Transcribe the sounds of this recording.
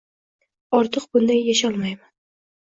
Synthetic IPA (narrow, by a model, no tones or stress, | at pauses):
ɒɾt̪ʰɨqbʊnd̪anjaʃɒlˠmajman